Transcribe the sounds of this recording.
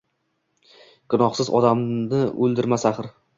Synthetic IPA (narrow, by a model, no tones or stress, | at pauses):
kʰɪnɒχsɪzɒ̰d̪amnɪɵlˠd̪ɪɾmasaχɾ